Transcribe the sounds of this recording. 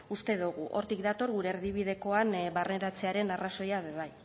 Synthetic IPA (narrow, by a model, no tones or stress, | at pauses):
ust̪e̞ðuɣuʔo̞ɾt̪ik̚d̪at̪o̞ɾɣuɾe̞ːɾðiβ̞ið̞e̞ko̞anbarne̞ɾat͡se̞aɾe̞naraso̞jaβe̞β̞aj